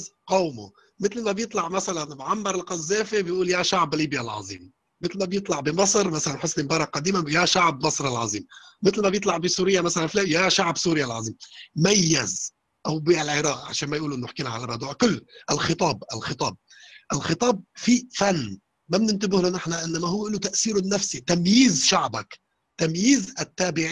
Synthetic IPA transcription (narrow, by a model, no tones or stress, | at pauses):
qowmʊ̰ | mɪt̪lmabjɨt̪ˤlɑʕmasalanbʕamːɑɾˤɪlqɑzːeːfibjʔuːljaʃaʕbliːbjalʕɑ̰zˤḭːm | mɪt̪lmabjɨt̪ˤlɑʕbimɨsˤɾmasalanħʊsnimbɑɾˤɑqɑd̪iːmajaʃaʕb̚mɑsˤɾˤɪlʕɑ̰zˤiːmmɪt̪lmabjɨt̪ˤlɑʕbisuːɾɪjːamasalanfleːjaʃaʕbsuːɾɪjalʕɑ̰zˤiːmmajːɪz | ʔawbiːʔalʕɪɾɑːʔʕa̰ʃaːnmajʔuːlʔɪnːʊɪħkiːnaʕalarˤːɑd̪uːʕkʊlːʔɪlxɪt̪ˤɑːbɪlxɪt̪ˤɑːb̚ | ʔɪlxɪt̪ˤɑːb̚fifanː | mabnɪnt̪ɪbɪhlonɪħnaʔɪnːamahʊwːʔɪnːʊt̪aʔsiːɾʊnːafsit̪amjiːzʃaʕbak | t̪amjiːzʔɪt̪ːaːbɪʕ